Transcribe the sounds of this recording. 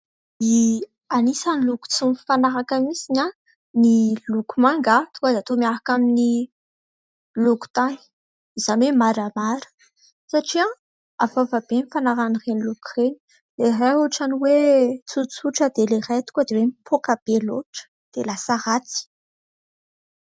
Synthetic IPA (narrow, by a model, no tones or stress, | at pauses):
i | anisaniluku̥t͡sumfanaɾakamisiɲa | nilukumaŋɡat̪u̥kad̪eat̪omiaɾakamini | luku̥t̪ani̥ | iz̥anemaɾamaɾə̥ | saʈ͡ʂia | avavabenifanaɾanirenilukureni̥ | lerauʈ͡ʂaniwet͡sut͡suʈ͡ʂəd̪elerajt̪u̥kad̪ewemipʰokab̥eloʈ͡ʂə̥ | d̪̥elasaʁat͡si̥